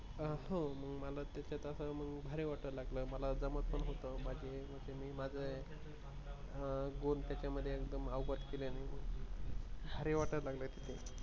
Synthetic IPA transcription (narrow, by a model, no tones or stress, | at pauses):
əɦõməɡməlat̪jat͡ɕat̪əsəməɡbʱaɾeʋaʈəɾlaɡləːməlad͡zəmət̪pəɳɦot̪əmad͡ʑʱeməɽsemiːmad͡zʱe | ɡont̪jat͡ɕjaməd̪ʱːjeekd̪əmaʋɡət̪keleniməɡ | bʱaɾeʋaʈəɾlaɡləːt̪i̥t̪ʰe